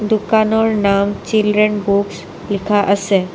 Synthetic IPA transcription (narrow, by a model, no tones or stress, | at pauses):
d̪ukanoɾnamt͡ɕilɖɾenbuks | likʰaʔase